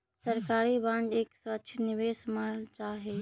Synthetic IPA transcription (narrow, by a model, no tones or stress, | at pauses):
səɾkaːɾibãɳɖeːkswətːʃʰnɪʋeːsməɾt͡ʃaːɦe